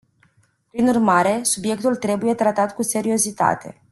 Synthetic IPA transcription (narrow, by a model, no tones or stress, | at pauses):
pɾinurmaɾe̞subje̞k̚t̪ult̪ɾe̞buje̞t̪ɾat̪at̪kuse̞ɾio̞zit̪a̰t̪ʰe̞̰